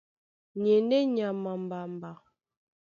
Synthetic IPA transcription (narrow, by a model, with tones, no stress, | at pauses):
ɲe˨ndɛ˦ɲa˨ma˨m˨ba˨m˨ba˨